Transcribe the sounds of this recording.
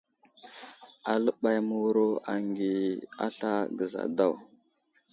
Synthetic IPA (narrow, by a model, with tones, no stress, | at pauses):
a˨lə˦ɓa˨jmu˨wu˦ɾo˦a˨ŋɡi˨a̰˦ɬa˦ɡə˨za̰˨da˦˨w